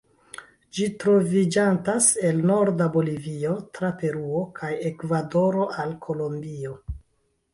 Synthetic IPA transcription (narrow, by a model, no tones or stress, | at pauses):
d͡ʒitɾo̞vid͡ʒantase̞lno̞ɾdabo̞livio̞tɾape̞ɾuo̞kʰaje̞kvado̞ɾo̞ʔalkʰo̞lo̞mbio̞